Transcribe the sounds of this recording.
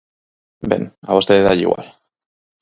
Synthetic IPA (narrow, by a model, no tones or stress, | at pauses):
bḛnaβost̪eðajḭɣwa̰l